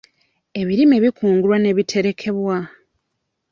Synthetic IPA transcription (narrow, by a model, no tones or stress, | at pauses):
e̞βiɾime̞βikʰuːŋɡulwane̞βitʰe̞ɾe̞kʰe̞βwa